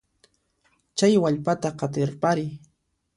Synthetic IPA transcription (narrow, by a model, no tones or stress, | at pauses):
t͡ʃajwaʎpat̪aqɑt̪ɪɾpaɾɪj